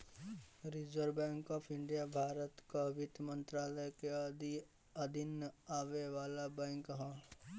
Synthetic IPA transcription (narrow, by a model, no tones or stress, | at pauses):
ɾɪd͡ʒəɾbɛ̃ːŋkɔːpʰɪ̃ɳɖijabʱaːɾət̪kaʋɪt̪mə̃nt̪ɾaːləjkeɐd̪i | ɐd̪ʱɪnaːʋeʋaːlabɛ̃ːŋkɦãː